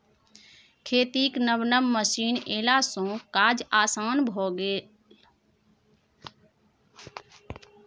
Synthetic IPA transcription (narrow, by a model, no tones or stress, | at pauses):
kʰeːt̪iːknəbnəmːəsiːneːlasõːkaːd͡ʒaːsaːnbʱoːɡeː